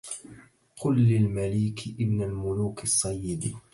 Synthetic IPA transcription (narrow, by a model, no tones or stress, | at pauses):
qʰʊlːɪlmaliːkʔɪbnalmʊluːkɪsˤːɑjːɪd̪